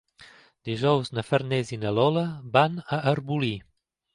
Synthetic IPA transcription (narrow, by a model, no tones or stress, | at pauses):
d̪̥iʒɔwznəfəɾnɛzinəlɔləbanəʔːɾbuli